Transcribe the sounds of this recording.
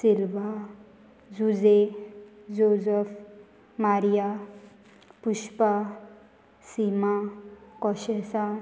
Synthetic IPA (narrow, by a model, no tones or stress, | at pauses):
silʋa | d͡zud͡ze | d͡zozəf | maɾija | puʃpa | simakɔɕesa